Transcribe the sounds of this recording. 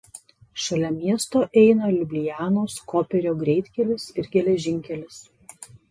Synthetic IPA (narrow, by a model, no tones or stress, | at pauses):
ʃɐlʲɛmʲiɛst̪oːʔɛɪnɐlʲʊbʲlʲɪjæːnoːskoːpʲɛɾʲoːɡɾʲɛɪt̪ʲkʲɛlʲɪsɪɾɡʲɛlʲɛʒʲɪŋʲkʲɛlʲɪs